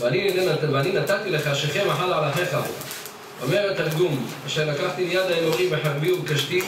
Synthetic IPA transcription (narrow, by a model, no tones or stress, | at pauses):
anienaveaninat̪at̪ileχaʃeχemaħalʕalaħeχa | omeʁet̪alɡumaʃeʁlakaħt̪ilejad̪aeloʁibeħaʁbiubkaʃt̪i